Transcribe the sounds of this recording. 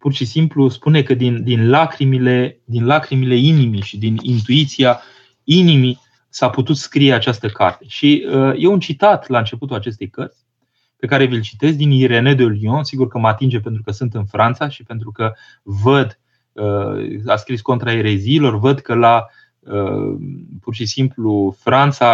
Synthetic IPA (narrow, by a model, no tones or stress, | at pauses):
purʃisimpluspune̞kəd̪ind̪inlakɾimiled̪inlakɾimile̞inimiʃid̪inint̪uit̪sia | inimi | saput̪ut̪skɾije̞at͡ʃast̪əka̰rt̪e̞ʃiəje̞unt͡ʃit̪at̪laɨnt͡ʃe̞put̪ulat͡ʃe̞st̪e̞jkərt̪sʲ | pe̞kaɾe̞vilt͡ʃit̪e̞zd̪iniɾe̞ne̞d̪eolionsiɡurkəmat̪ind͡ʒe̞pent̪ɾukəsɨnt̪ɨnfɾʔant̪saʃipe̞nt̪ɾukə | vəd̪ | əaskɾisko̞nt̪ɾaeɾe̞ziːlo̞rvəd̪kəla | ə | purʃisimplufɾant̪sa